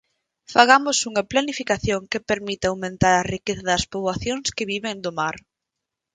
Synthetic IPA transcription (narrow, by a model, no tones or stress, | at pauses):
faɣamʊsuŋɐplanifikaθjoŋkepeɾmit̪awmẽnt̪aɾarikeθɐðɐspoβwaθjoŋskɪβiβeŋd̪omaɾ